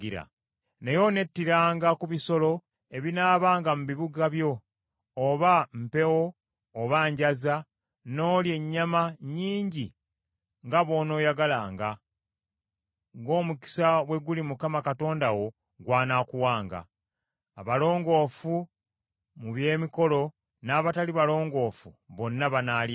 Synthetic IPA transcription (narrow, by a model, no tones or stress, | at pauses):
iɾa̰ | ne̞jo̞ne̞tːiɾaːŋɡakuβiso̞lo̞ | e̞βinaːβaːŋɡamuβiβuɡaβjo̞ː | βam̩pe̞wo̞ː | βaɲɟaza | no̞ːlje̞ɲːamaɲiːɲɟi | ŋɡaβo̞ːno̞ːjaɡalaːŋɡa | ŋɡo̞ːmuki̥saβwe̞ɡulimukamakato̞ːndawo̞ | ɡwaːnaːkuwaːŋɡa̰ː | βalo̞ːŋɡo̞ːfu | muβje̞ːmiko̞lo̞ | naːβataliβalo̞ːŋɡo̞ːfuβo̞nːaβanaːlj